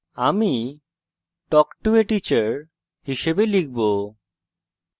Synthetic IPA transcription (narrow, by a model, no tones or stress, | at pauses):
ami | ʈɔkʈueʈit͡ɕaɾ | hiʃebelik̚bo